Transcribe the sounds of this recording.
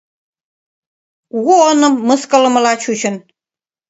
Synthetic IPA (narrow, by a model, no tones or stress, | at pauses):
ɣoonɤ̆mːɤ̆skɤ̆lɤ̆mɤ̆lɑt͡ɕut͡ɕɤ̆n